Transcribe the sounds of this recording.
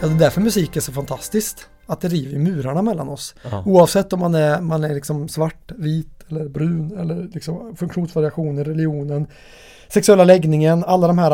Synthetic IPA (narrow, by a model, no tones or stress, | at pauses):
jɑːd̪ɛd̪æɾfœɾmɵsiːkːæʂɔfant̪ʰast̪ɪskt̪ | at̪̚d̪ɛɾiːvəɾjmʉ̟ːɾaɳamɛlːa̰nɔsuːɑvsɛt̪ːɔmːanɛɾmanæɾlɪksɔmsvaʈːviːt̪ɛlːəɾbɾʉ̟ːnɛlːəɾlɪksɔmfɵŋkɧuːnsvaɾɪaɧuːnəɾːɛlɪuːnən | sɛksɵɛlːalɛɡnɪŋənalːad̪ɔmhæːɾ